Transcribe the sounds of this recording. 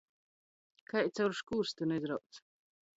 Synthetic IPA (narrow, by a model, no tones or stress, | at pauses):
kʰaj̪t͡s̪awɾʃkuːɾst̪ɨnɛzɾaw̪t͡s̪